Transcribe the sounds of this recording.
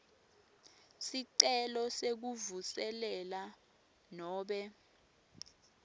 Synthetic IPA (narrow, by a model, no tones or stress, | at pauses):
siǀɛlɔsek̬uvusɛlɛla | nɔːɓɛ